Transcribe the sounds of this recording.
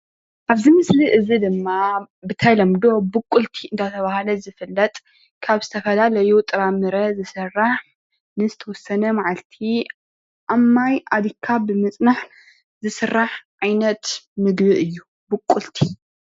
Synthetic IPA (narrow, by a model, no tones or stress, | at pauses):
ʔaβzɨmɨsliʔɨzid̪ɨmːa | bɨt̪ʰajlɐmd̪o̞bɨkʼːult̪ʰiɨnd̪ʰat̪ʰɐβahalɐzɨfɨlːɐt̪ʼ | kʰaβzɨt̪ʰɐfɐlalɐjut̪ʼɨɾamɨɾɐzɨsɐrːaħ | nɨzɨt̪ʰɐwɔsːɐnɐmaʕalt̪ʰi | ʔamːajʔad̪ikʰːabɨmɨt͡sʼnaħ | zɨsɨrːaħʕajnɐt̪mɨɡbɨʔɨjːu | bɨkʼːult̪ʰi